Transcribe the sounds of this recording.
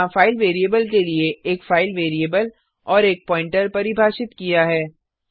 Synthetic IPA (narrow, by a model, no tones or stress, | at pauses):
ãfaːɪlʋeːɾieːbəlkelieeːkfaːɪlʋeːɾieːbəl | ɔːɾeːk̚pɔ̃ːɪ̃ɳʈəɾpɐɾibʱaːʃɪt̪kijaɦɛː